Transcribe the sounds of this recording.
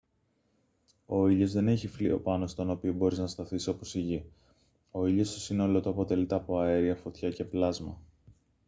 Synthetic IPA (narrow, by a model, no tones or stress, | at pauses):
o̞iʎo̞zðe̞ne̞çiflḭo̞̰pɐno̞st̪o̞no̞pio̞bo̞ɾiznɐst̪ɐθiso̞po̞siʝi | o̞iʎo̞st̪o̞sino̞lo̞t̪oɐpo̞t̪e̞lit̪eɐpo̞ɐeɾiɐfo̞t̪çɐce̞plɐzmɐ